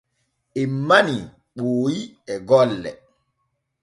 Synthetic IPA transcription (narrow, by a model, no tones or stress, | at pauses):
ʔimːani | ɓoːjiɛɡɔlːɛ̰